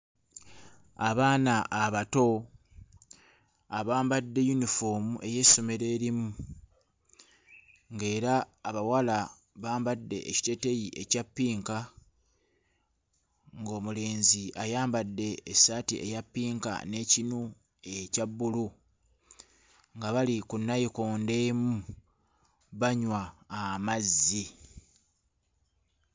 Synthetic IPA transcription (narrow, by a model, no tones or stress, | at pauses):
aβaːnaʔːβato̞ | aβaːmbadːe̞junifo̞ːmuʔe̞je̞so̞meɾe̞ːɾimu | ŋɡe̞ːɾaːβawala | βaːmbadːe̞̰ʔeci̥te̞te̞jiʔe̞capːiːŋka | ŋɡo̞ːmule̞ːnziajaːmbadːe̞ːsaːtiʔe̞̰japːiːŋka̰ne̞ːcinu | ecabːulu | ŋɡaβalikunːajikoːnde̞ːmu | βaɲwaːmazːi